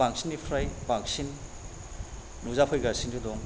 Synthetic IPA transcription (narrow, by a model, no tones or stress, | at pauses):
baŋsinːipʰɾajbaŋsin | uzapʰojɡasinɡudɔŋ